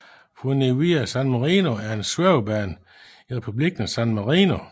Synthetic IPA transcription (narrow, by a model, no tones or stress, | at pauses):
fʁuneiæsænmɑʁiːno̝æɐe̝nsʋøʊb̥æn | iʁɛpʰub̥liɡ̥ən̩æsænmɑʁiːno